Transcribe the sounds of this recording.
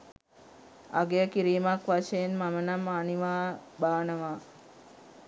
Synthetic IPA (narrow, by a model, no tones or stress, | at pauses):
a̰ɡejəkiɾiːmakʋaʃejenmamənamaniʋaːbaːnəʋa